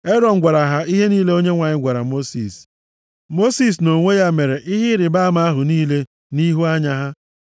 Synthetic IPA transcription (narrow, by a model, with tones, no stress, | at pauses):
e˦ɾɔ˨n̩˦ɡʷa˨ɾa˨ɦa˦i˦ɦe˦niː˦le˦o˦ɲe˦ŋʷa˨ɲɪ˦ɡʷa˨ɾa˨mo˦sḭ˨s | mo˦si˦˨s̬no˨ŋʷe˦ja˦me˨ɾe˨ʔɪ˦ɦɪ˦ɾɪ˨ba˦ma˦a˦ɦʊ˨niː˦le˦ | ni˦ɦu˦a˦ɲa˦ɦa˦